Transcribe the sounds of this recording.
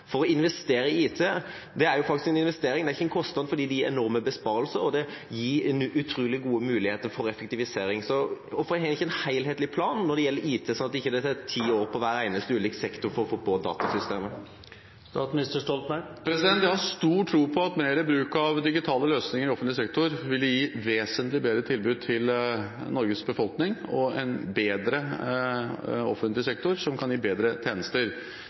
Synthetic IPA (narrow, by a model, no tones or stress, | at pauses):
fɔɾɔɪnʋɛst̪eːɾəɪiːt̪ʰeː | d̪ɛæɾjʊfɑkt̪ɪskɛnɪnʋɛst̪eːɾɪŋd̪ɛæɾɪçːəɛnkʰɔst̪nɑd̪̩fɔɾɖ̪iːd̪ɛjiːɾɛnɔɾməbəspɑːɾəlsəɾɔd̪ɛjiːɾʉt̪ʰɾuːlɪɡuːəmʉːlɪheːt̪əɾfɔɾɛfɛkt̪ɪʋɪseːɾɪŋsɔɔfɾhɛɪçəɛnhæɪlheːt̪lɪpʰlɑːnːɔɾd̪ɛjɛlːəɾiːt̪ʰɛːsɔnɑt̪ɪçːəd̪ɛt̪ʰæt̪ʰiːoːɾpʰɔʋæːɾæɪnəst̪əʉːliːksɛkt̪ʊɾfɔɾɔfoːboːd̪ɑ̰ːt̪ɑsʏst̪eːmə | st̪ɑːt̪smnɪst̪əʂʈɔlt̪mæpʰɾɛsɪd̪ɛnt̪jæɪhɑʂt̪uːʈʰːɾuːpʰɔɑt̪meːɾɪbɾʉːkɑʋd̪ɪɡɪt̪ʰɑːləløːsnɪŋəɾɪɔfnlɪsɛkt̪ʊɾʋɪljiːʋeːsənt̪lɪbeːd̪ɾət̪ʰɪlbʉːd̪̚t̪ʰɪlnɔɾɡəsbəfɔlknɪŋɔɛnbeːd̪ɾə | ɔ̰fənt̪lɪsɛk̚t̪ʊɾsɔmkʰɑnjiːbeːd̪ɾət̪ʰeːnəst̪əɾ